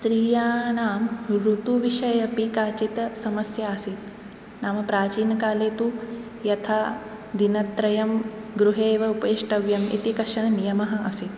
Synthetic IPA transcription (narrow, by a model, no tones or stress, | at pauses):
sɾiːjaːnaːmɾut̪uʋiʃɐjɐpikaːt͡ʃit̪ɐsɐmɐsjaːsit̪ | naːmɐpɾaːt͡ʃiːnɐkaːleːt̪u | jɐt̪ʰaː | d̪inɐt̪ɾɐjɐmɡɾuɦeːʋɐupɐiʂʈɐʋjɐmḭt̪ikɐʂɐɳɐnijɐmɐɦɐ̆ʔɐsit̪